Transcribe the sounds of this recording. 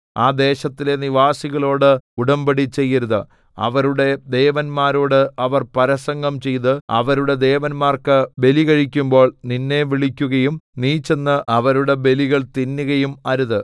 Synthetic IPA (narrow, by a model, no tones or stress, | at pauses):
aːd̪e̞ːɕɐt̪ːile̞niʋaːsiɣɐɭo̞ːɽɨuɽɐmbɐɽit͡ɕːe̞jːɐɾuðɨ | ɐ̰ʋɐɾuɽe̞d̪e̞ːʋɐnmaːɾoːɽɨʔɐʋɐrpɐɾɐsɐŋɡɐmt͡ɕe̞jt̪ɨɐ̰ʋɐɾuɽe̞d̪e̞ːʋɐnmaːrkɨbe̞liɣɐɻikʲːumbo̞ːɭninːe̞ʋiɭikʲːuɣɐjumniːt͡ɕːe̞nːɨʔɐʋɐɾuɽe̞be̞liɣɐɭt̪inːuɣɐjumɐɾuðɨ